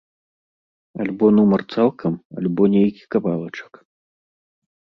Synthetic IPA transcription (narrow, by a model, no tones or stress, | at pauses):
alʲbɔnumɐrt̪salˠkʰɐma̰lʲbɔnʲejkʲi̥kabalˠɐt͡ʂɐ̥k